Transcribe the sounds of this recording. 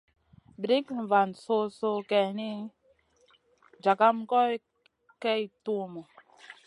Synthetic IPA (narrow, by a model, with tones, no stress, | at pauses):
bɾi˦kva˨nso˦˧so˧kɛ˨ni˦ | d͡ʒa˨ka˦mkɔ˦j | kɛ˦jtu˦mɔ˨